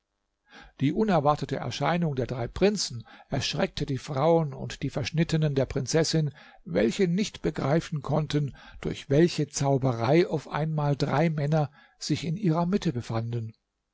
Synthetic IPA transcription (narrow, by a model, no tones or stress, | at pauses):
d̥iːʔʊnɛɐvaɐtətə̰ʔɛ̰ɐʃa̰ɪnʊŋdeːɐdʁaɪpʁ̥ɪnt͡sn̩ʔɛɐʃʁ̥ɛk̚tʰədiːfʁ̥aʊənʊ̰ntd̥iːfɛɐʃnɪtənəndeːɐpʁ̥ɪnt͡sɛsɪn | vɛ̰lçənɪçtb̥əɡʁaɪfn̩kʰɔntənd̥ʊɐçv̥ɛlçət͡saʊbəʁaɪʔaʊfʔa̰ɪnmaːldʁa̰ɪmɛnɐ | z̥ɪçɪnʔiːʁɐmɪtəbəfandn